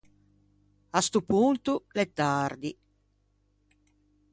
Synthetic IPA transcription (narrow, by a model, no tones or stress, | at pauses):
ast̪upunt̪ulet̪ːard̪i